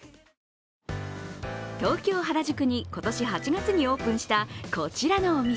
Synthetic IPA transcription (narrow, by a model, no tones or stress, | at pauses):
t̪o̞ːkʲo̞ːɦaɾaʑɨkɯ̟ɲ̟iko̞t̪o̞ɕiɦat͡ɕiɡat͡sɨɲ̟io̞ːpɯ̟̃ɰ̃ɕi̥t̪akʰo̞t͡ɕiɾano̞ːmʲi